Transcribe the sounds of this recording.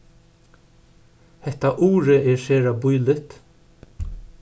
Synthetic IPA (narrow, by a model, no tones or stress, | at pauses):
hɛht̪aʔuːɾəʔɛːɹʃeːɾabʊjlɪt̪